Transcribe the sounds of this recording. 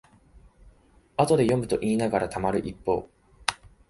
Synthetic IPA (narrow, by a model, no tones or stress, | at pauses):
at̪o̞d̪e̞jo̞mɯ̟t̪o̞ʔiːnaɡaɾat̪amaɾɯ̟ʔipːo̞̰ː